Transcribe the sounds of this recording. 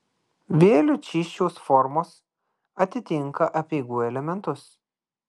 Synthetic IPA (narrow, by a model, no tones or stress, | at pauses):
ʋʲeːlʲʊt͡ʃʲiːʃʲt͡ʃʲoːsfɔɾmoːs | ɐt̪ʲɪt̪ʲɪŋkɐʔɐpʲeːɡuːɛlʲɛmʲɛnt̪ʊs